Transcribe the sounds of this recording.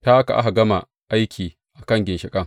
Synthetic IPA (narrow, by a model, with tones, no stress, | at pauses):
taː˦ʔa˦ka˨ʔa̰˦ɦa˨ɡɐ˦ma˨ | ʔa˦jkʲʰiː˨ | ʔa˨kɐ˦ŋɡʲɪ˨nʃɪ˨kʼɐ˦ŋ